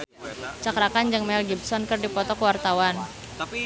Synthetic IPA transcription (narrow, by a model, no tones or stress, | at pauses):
t͡ʃakɾakand͡ʒɨŋmɛlɡibsɔnkɨrdipɔt̪ɔkəwart̪awan